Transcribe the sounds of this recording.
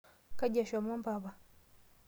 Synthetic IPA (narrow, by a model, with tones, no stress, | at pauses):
ka˦ɟa˨ʃa˨mo˦mpa˨βa˨